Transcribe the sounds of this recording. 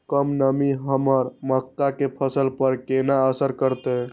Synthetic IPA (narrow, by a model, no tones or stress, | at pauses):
kəmnəmiɦəməɾməkːakepʰəsəlpəɾkenaəsəɾkəɾt̪e